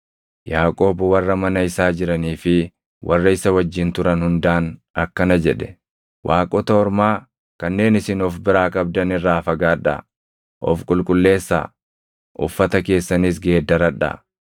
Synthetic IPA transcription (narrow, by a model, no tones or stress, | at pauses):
jaːkʼo̞ːbʊwɐrːɐmɐnɐɪsaːd͡ʒɪɾɐniːfɪ | wʔɐrːɐɪsɐwɐd͡ʒːɪnt̪ʊɾɐnhʊnd̪aːnɐkːɐnɐd͡ʒɛᶑɛ̥ | wʔaːkʼɔt̪ɐɔɾmaː | kɐnːe̞ːnɪsɪnɔfbɪɾaːkʼɐb̚d̪ɐnɪrːaːfɐɡaːᶑɐ̰ | ʔɔ̰fkʼʊlkʼʊlːe̞ːsːa̰ː | ʔʊ̰fːɐt̪ɐke̞ːsːɐnis̬ɡe̞ːd̪ːɐɾɐᶑa̰